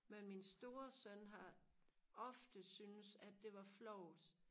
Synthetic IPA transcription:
menminsd̥o̝ːɐsœnɦɑ̈ | ɒ̽fd̥əsynəsæd̥e̝ʋɑ̈flɒʊd̥

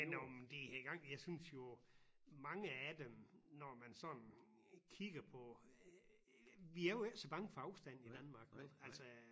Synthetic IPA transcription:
menɒmd̥ehæɡ̥ɑ̈ŋ̰jɑ̈ɪsynsjo̝ | mɑ̈ŋəæd̥emnɒmænsɒ̽n | kʰiɡ̥ɐpʰɒ | ʋiæɐjoesɒb̥ɑ̈ŋəfɒ̽ɑ̈ʊsd̥æn̰id̥ænmɑ̈ːɡ̥ʋeælsɒ

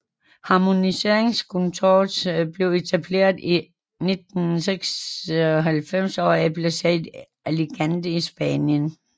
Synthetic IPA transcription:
hɑ̈mo̝nise̝ɐ̰e̝ŋskʰɔnt͡sʰo̰̥ːb̥le̝ʊe̝t͡sʰæb̥le̝̰ːɐð̩ˠi | ne̝d̥n̩seɡ̥sɒɦælfem̰sɒ̰ːiæbʰlæsḛdˠ | æleɡ̥ænd̥əisb̥ɛːnjən

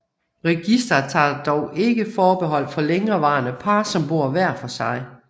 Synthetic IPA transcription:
ʁɛɡ̥isd̥ɐt͡sʰɑ̰̈ːd̥ɒʊʔe̝ɡ̥əfɒːb̥e̝ɦɒ̽l̰̥fɒ̽leŋɐʋɑ̈ːnəpʰɑ̈ːsɒ̽mb̥o̝ɐ̰ʋæɐ̰fɒ̽sɑ̈ɪ

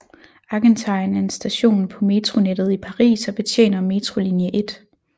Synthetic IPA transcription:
ɑ̈ɡ̥ent͡sʰɑ̈ɪnæɐensd̥æɕo̝̰ːn̩pʰɒ̽me̝t͡sʰʁo̝ned̥ð̞̩ˠipʰɑ̈ʁḭːsɒ̽b̥e̝t͡sʰḛːnɐme̝t͡sʰʁo̝linjəʔe̝d̥

